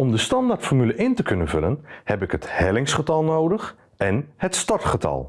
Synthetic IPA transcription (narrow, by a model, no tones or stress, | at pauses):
ɔmdəstɑndartfɔrmyləʔɪntəkɵnənvɵlənhɛpɪkɦəthɛlɪŋsχətɑlˠnoːdəx | ɛnhətstɔrtχətʰɑ̰lˠ